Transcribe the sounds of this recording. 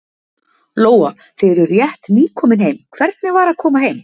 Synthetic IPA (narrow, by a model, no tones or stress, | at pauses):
loːwa | fɪɾʏɾjɛht̪niːkʰɔːmɪnhejmkʰvɛɾt̪̚nɪvaɾakʰɔːmaɦejm